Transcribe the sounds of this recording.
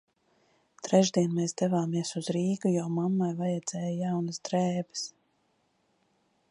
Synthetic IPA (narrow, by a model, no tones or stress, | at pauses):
t̪ɾɛʒd̪iɛnmɛːzd̪ɛvaːmiɛsuzɾiːɡujɔːmamːajvajɛd̪z̥ɛːjjawnəsd̪ɾɛːbɨ̥s